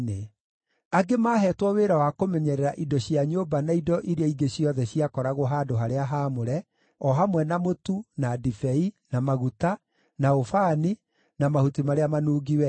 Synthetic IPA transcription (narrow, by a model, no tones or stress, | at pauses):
ne | aɡemaːɦɛːtwɔweɾawakomɛɲɛɾɛɾaʔidɔɕjaɲoːbanaidɔʔiɾeaiɡeɕiɔðɛɕjiakɔɾaɣoɦaːdoɦaɾeaɦamoɾɛ | ɔɦamwɛnamotunadifɛinamaɣuta | naofaːni | namahutimaɾeamanuːɡiwɛ